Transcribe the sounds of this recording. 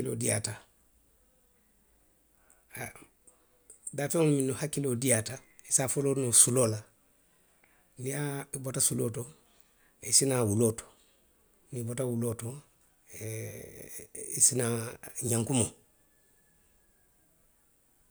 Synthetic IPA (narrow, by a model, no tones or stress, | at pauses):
ilo̰dija̰ta | a | daːfẽŋolumĩnohakilodijata | isafolonusulola | nijabotasuloːto | isinawuloto̥ | nibotawuloto | isinaɲãŋkumo